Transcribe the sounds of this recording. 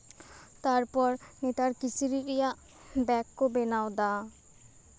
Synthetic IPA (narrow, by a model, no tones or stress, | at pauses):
t̪aɾpɔɾnet̪aɾkisiɾiɾɛjaʔ | bɛkːobenawd̪a